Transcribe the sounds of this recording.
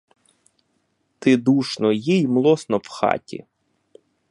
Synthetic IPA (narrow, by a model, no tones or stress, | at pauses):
t̪ɪd̪uʃnɔjijmlˠɔsnɔwxɑ̰tʲḭ